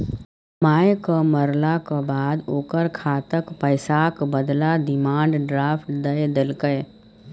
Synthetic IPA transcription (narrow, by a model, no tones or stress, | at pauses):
maːjkəməɾlakəbaːd̪oːkəɾkʰat̪əkpəjsakbəd̪lad̪ɪmaːɳɖɖɾaːpʰʈd̪əjd̪elkəj